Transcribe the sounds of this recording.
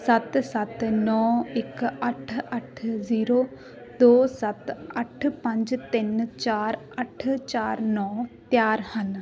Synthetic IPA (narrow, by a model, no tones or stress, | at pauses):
sɐt̪sɐt̪nɔːɪkɐʈʰɐʈʰziːɾoː | d̪oːsɐt̪ɐʈʰpɐ̃ɲd͡ʒt̪ɪnt͡ʃaːɾ | ɐʈʰt͡ʃaːɾnɔːt̪jaːɾhɐn